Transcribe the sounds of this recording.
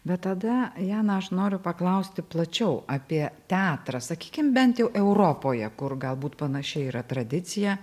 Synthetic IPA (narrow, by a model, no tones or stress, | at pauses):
bʲɛt̪tːɐd̪ɐjæːnɐɐʃnoːɾʲʊpɐklˠɐʊsʲt̪ʲɪplˠɐt͡ʃʲɛʊɑːpʲiɛt̪ʲæːt̪ɾɐsɐkʲiːkʲɪmbʲɛnt̪jɛʊʔɛʊɾoːpoːjɛkʊrɡɐlˠbuːt̪pɐnɐʃʲɛɪiːɾɐt̪ɾɐd̪ʲɪt͡ssʲɪjɛ